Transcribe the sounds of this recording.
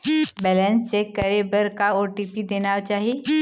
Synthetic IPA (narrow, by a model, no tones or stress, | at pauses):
bɛːlə̃nssekɐɾebəɾkaoːʈiːpid̪eːnat͡ʃaːɦie